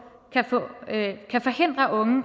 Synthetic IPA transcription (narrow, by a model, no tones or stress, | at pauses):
kʰæfɔ̰̽kʰæfɒ̽he̝n̰d̥ʁɐʔɔ̽ŋə